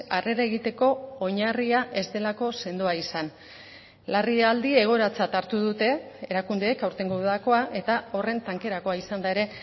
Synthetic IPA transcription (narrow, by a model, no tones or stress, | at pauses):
are̞ɾae̞ɣ̞it̪e̞ko̞oɲariaʔe̞zd̪e̞lako̞se̞nd̪oaisan | lariald̪ie̞ɣ̞o̞ɾat͡sat̪aɾt̪uðut̪e̞eɾakund̪e̞ːkawɾt̪e̞ŋɡoðako̞aʔe̞t̪ao̞re̞nt̪aŋke̞ɾako̞aisand̪ae̞ɾe̞